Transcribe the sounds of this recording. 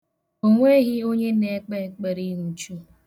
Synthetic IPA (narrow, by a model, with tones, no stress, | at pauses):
o˨ŋʷe˦ɦɪ˦o˦ɲe˦ne˨˦k͡pe˦k͡pe˨ɾi˦ŋu˨t͡ʃu˦